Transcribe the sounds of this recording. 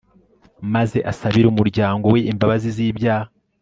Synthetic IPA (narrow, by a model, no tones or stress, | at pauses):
maze̞ʔasaβiɾumuɾɟaːŋɡo̞we̞ʔimbaβaziziːbɟah